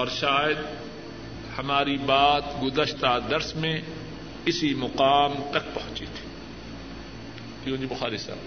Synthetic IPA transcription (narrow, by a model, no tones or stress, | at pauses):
ɔːɾʃaːjəd̪ | hɐmaːɾibaːt̪ɡʊzəʃt̪ad̪ɐɾsmẽ | ɪsimʊqaːmt̪ɐk̚pɐɦʊ̃t͡ʃḭt̪ʰi̥ | kiõːd͡ʒibʊxaːɾisa̰ːb